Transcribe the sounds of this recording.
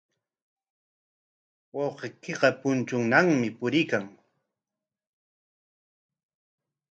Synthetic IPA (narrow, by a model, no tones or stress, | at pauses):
wɑwqekeɢɑpʊnt͡ʃʊŋnaŋmɪpʊɾɪkaŋ